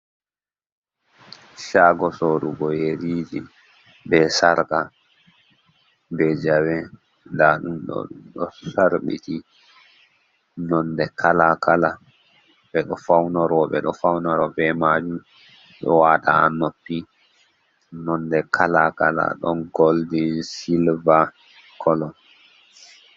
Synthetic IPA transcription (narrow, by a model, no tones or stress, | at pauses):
ʃaːɡɔsoɾuɡɔjeɾiːd͡ʒi | bɛsaɾka | bɛd͡ʒawɛ | daɗumɗɔ̰ɗɗɔsaɾɓḭti | nɔndɛkʰalakʰala | ɓɛɗɔfawnaɾɔɓɛ̰ɗɔfawnaɾɔbɛmad͡ʒum | ɗɔ̰waːta̰anopːi | nɔndɛkʰalakala̰ɗɔnɡoldisilva | kʰɔlɔn